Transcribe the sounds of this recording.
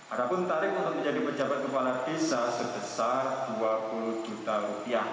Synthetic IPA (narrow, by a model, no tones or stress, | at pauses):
adapʊnt̪aɾɪk̚naŋaməɲd͡ʒadipəd͡ʒabat̪̚kəpalafisasəbəsarduapuluhd͡ʒut̪aɾupiah